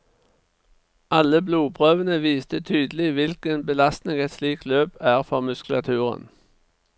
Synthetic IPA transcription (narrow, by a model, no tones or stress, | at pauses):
ɑləbluːpʰʁøːʋənəʋiːst̪ət̪ʰyːd̪əl̩ɪʋɪlkənbəlɑst̪nɪŋɛt̪sliːkt̪løːpæːʁfɔʁmʉsklɑt̪ʰʉːʁə̰n